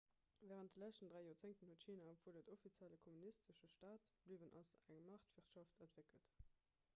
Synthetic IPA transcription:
væːʁənt̚dəlæʃtəndʁæɪjoːʁt͡seŋtənhuətʃiːnaəpfuədətofit͡sjæləkʰomunistəʃəʃtaːtb̥livənʔɑ̰zæŋmɑχtv̥iʁtʃɑftʰəntv̥ekəlt

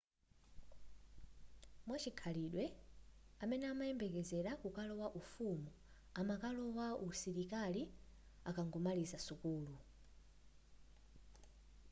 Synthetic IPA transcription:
mwat͡ʃikʰaliɗwɛ | amɛnɛamajɛmbɛkɛzɛɾakukalɔwaʔufumu | amakalɔwausiɾikali | akaŋɡɔmalizasukuːlu

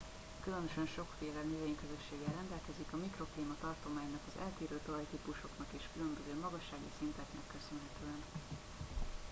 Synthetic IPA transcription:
kylø̞nøʃɛnʃo̞kfeːlɛnøveːɲkøzø̞ʃːeːɡɛrɛnd̪ɛlkɛzikɒmikro̞kleːmɒt̪ɒrt̪o̞maːɲnɒkɒzɛ̰lt̪iːɾøːt̪ovɒjt̪iːpuʃo̞knɒkeːʃkylø̞mbøzøːmɒɡɒʃːaːɡḭsint̪ɛknɛkːø̞sø̞nɦɛt̪øːɛn

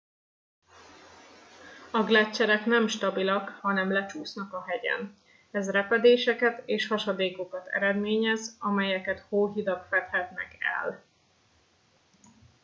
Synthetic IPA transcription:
ɒɡlɛt͡ʃːɛɾɛknɛmʃt̪ɒbilɒkhɒnɛmlɛt͡ʃuːsnɒkɒɦɛɟɛ̰n | ɛzrɛpɛd̪eːʃɛkɛt̪eːʃhɒʃɒd̪eːko̞kɒt̪ɛ̰ɾɛd̪meːɲɛzɒmɛjɛkɛt̪hoːɦid̪ɒkfɛt̪hɛt̪nɛ̰kɛ̰l

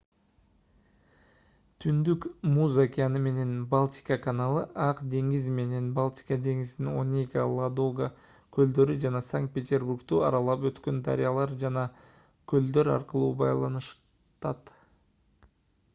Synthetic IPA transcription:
t̪ʰynd̪ykmuzakʲianɯme̞ne̞nbalˠt̪ʲi̥kakanalˠɯʔɑqd̪e̞ŋɡizme̞ne̞nbalˠt̪ʲi̥kad̪e̞ŋizino̞̰nʲejkalˠad̪oɡa | kʰøld̪ø̞ɾyd͡ʒɑnɑsaŋkt̪̚pʲe̞t̪ʲe̞rburkt̪yɑ̰ɾɑlˠɑpø̞t̪kø̞nd̪a̰ɾʲɪjalˠɑɾd͡ʒɑnɑ | kʲʰɵld̪øɾɑ̰ɾqəlˠuːbɑ̰jlˠɑnɯʃ | t̪ɑt̪

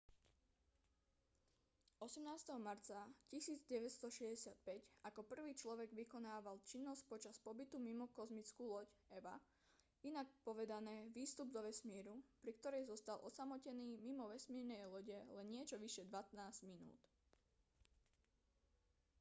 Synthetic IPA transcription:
ʔɔsɛmnaːst̪ɛɦɔmaɾt͡sacisiːd͡zɟɛʋɛcst̪ɔʃɛzɟɛsɪat̪̚pɛcakɔpr̩ʋiːt͡ʃlɔʋɛɡʋikɔnaːʋalt͡ʃinːɔsc̚pɔt͡ʃaspɔbit̪umimɔkɔzmit͡skuːlɔcɛʋa̰ | inak̚pɔʋɛd̪anɛːʋiːst̪ubd̪ɔʋɛsmiːɾupɾikt̪ɔɾɛjzɔst̪alʔɔ̰samɔcɛniːmimɔʋɛsmiːɾnɛjlɔɟɛlɛnɲɪɛt͡ʃɔʋiʃjɛd̪ʋat̪naːzɟ̥minṵːt̪

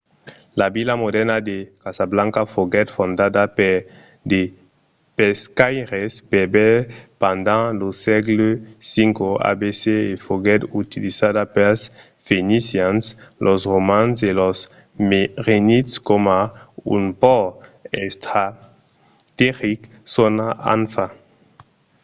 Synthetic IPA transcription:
labilamod̪ɛʁnad̪ekasablãŋkafoɡɛt̪fõnd̪ad̪ape | d̪e | peskajʁespebɛpãnd̪ãlosɛɡlesiŋkoa̰beseːfoɡɛt̪ut̪ilizad̪apɛs | fenisjãnslʔɔsʁomãnselɔs | meʁenit̪skomaṵnpɔest̪ʁa | t̪eʁik | sonaã̰nfa

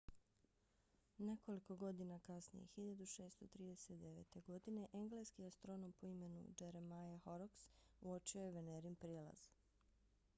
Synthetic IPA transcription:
ne̞ko̞liko̞ɡo̞d̪inakasnḭjḛxiʎad̪uʃe̞ːst̪o̞t̪ɾiːd̪eset̪d̪e̞ʋe̞̰ːt̪e̞ɡo̞d̪ine̞ʔeŋɡle̞skiast̪ɾo̞no̞mpoime̞nṵd͡ʒeɾemajaxo̞ɾoksuot͡ʃiojeʋe̞neɾimpɾelˠa̰z̥

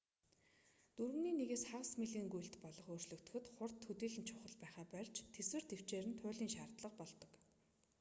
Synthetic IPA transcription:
t̪uɾɵ̆niːneɣeːsχaʁə̆smiɮiːŋɡujɬt̪pɔɮɞ̆χoːr̥t͡ɕɮɵ̆kt̪ɵ̆xɘ̆t̪χʊrt̪ʰxɵt̪iːɮɘ̆nt͡ɕʰʊχə̆ɮpæːχaːpœɮt͡ɕt̪ʰːeswɘ̆r̥t̪ew̥t͡ɕeːɾɘnt̪ʰʊːɮiːŋʃaːrt̪ɮə̆q̚pɔɮt̪ɞ̥̆k

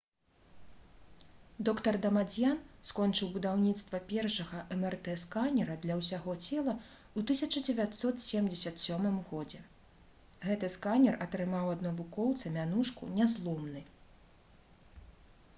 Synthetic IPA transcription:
d̪ɔkt̪ɐrd̪ɐmad͡zʲjanskɔnt͡ʂɨwbud̪awnʲit̪st̪vɐpʲɛrʂɐɣɐʔɛmɛrt̪ɛskanʲɛɾɐd̪lʲɐwsʲaɣɔt͡sʲɛlˠɐ | ut̪ɨsʲɐt͡ʂɐd͡zʲɛvʲat̪sɔt̪sʲɛmd͡zʲɛsʲɐt̪sʲɔmɨmɣɔd͡zʲɛ | ɣɛt̪ɨskanʲɛrɐt̪ɾɨmawɐd̪nɐvukɔwt̪sɐmʲanuʂkṵnʲɛzlˠɔmnɨ

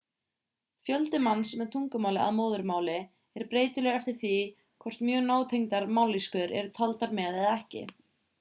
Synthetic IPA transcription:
fjœlt̪ɪmanːsmɛðt̪ʰuŋkʏmaːwlɪa̰ðmoːwðʏɾmaːwlɪ | ɛɾpɾeːjt̪ʏlɛːɣɛft̪ɪɾ̥θi | kʰɔr̥t̪mjœɣnoːwt̪ʰejŋt̪aɾmaːwliskʏɾɛ̰ɾʏt̪ʰalt̪aɾmɛːðɛðɛhcɪ̰

